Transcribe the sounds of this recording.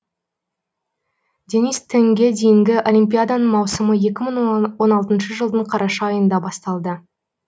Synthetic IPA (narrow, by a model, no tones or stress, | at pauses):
d̪ʲe̞nist̪ʰːeŋɡʲe̞d̪e̞jɪŋɡʲɪʔo̞lʲimpʲijad̪anəmɑwsəməje̞kʲɪməɴwo̞nɑlˠt̪ənʃəʒəlˠd̪əɴqʰɑɾʔɑʃɑːjənd̪ɑbɑst̪ɑlˠd̪ə